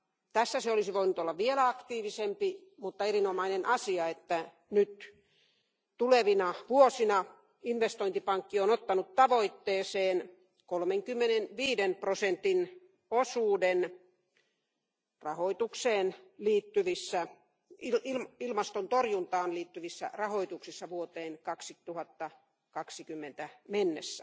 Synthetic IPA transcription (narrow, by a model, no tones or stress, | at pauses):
t̪æsːæseolisiʋoinut̪olːɑʋielæɑkt̪iːʋisempi | mut̪ːɑerinomɑinenʔɑsiɑet̪ːæ | nyt̪ | t̪uleʋinɑʋuosinɑ | inʋest̪oint̪ipɑŋkːionot̪ːɑnut̪t̪ɑʋoit̪ːeːseːn | kolmeŋkymːenenʋiːdenprosent̪in | osuːden | rɑhoit̪ukseːnliːt̪ːyʋisːæ | ililmilmɑst̪ont̪orjunt̪ɑːnliːt̪ːyʋisːæ̰rɑhoit̪uksisːɑʋuot̪eːnkɑksit̪uhɑt̪ːɑ | kɑksikymːent̪æmenːḛsːæ̥